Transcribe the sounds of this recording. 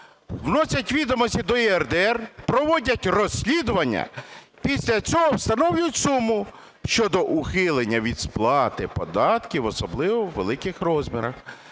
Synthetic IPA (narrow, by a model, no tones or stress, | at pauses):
wnɔsʲɐtʲʋʲid̪ɔmɔsʲtʲid̪ɔiɛrd̪ɛɛrpɾɔʋɔdʲɐtʲrɔsʲlʲid̪ʊʋɐnʲːɐ̰ | pʲisʲlʲɐt͡sʲɔɦɔwst̪ɐnɔwjʊtʲsumʊ | ʃt͡ʃɔd̪ɔʔʊxɪlˠenʲːɐʋʲid̪splˠɑt̪ɪpɔd̪ɑt̪kʲiʋɔsɔblˠɪʋɔwːḛlˠɪkɪxɾɔzmʲiɾɐ̰x